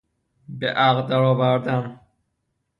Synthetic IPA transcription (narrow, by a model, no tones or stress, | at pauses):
beʔæɣd̪æɾɒːvæɾd̪æn